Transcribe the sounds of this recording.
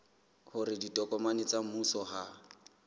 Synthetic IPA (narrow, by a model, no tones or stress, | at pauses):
hʊɾɪditʼɔkʼɔmanɪt͡samusɔɦa